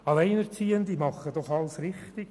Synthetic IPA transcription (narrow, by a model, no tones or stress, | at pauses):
ɑlɛɪnɛɾt͡siːənd̪imɑχːəd̥ɔχɑlsɾɪχt̪ɪ